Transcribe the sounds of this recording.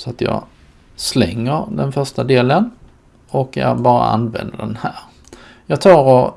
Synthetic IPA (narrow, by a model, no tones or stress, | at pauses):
sɔat̪jɑ̰ː | slɛŋːəɾd̪ɛnfœʂtad̪eːlən | ɔkːjɑ̰bɑːɾa̰a̰nvɛ̰nd̪əɖɛnhæːɾ | jɑːt̪ʰɑːɾɔ